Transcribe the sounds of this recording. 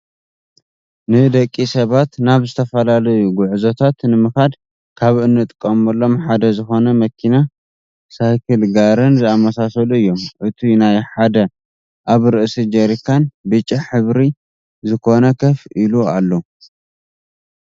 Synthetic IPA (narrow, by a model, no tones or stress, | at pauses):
nɨd̪ɐkʼːisɐβat̪naβzɨt̪ʰɐfɐlalɐjuɡʊʕzot̪ʰat̪nɨmɨxad̪ | kʰaβɨnːɨt̪ʼkʼːɐmɐlːo̞mħad̪ɐzɨxo̞nɐmɐkʰina | sajkʰɨlɡaɾɨnzɨamɐsasɐluɨjːo̞mʔɨt̪ʰinajħad̪ɐ | ʔaβɾɨʔɨsid͡ʒɐɾikʰanbɨt͡ʃʼːiħɨβɾi | zɨkʰo̞nɐkʰɐfilualːo